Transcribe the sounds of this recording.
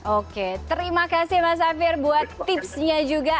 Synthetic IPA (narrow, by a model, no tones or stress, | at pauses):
ʔoket̪əɾimakasɪhmas̬afɪrbuat̪ːɪpsɲad͡ʒuɡa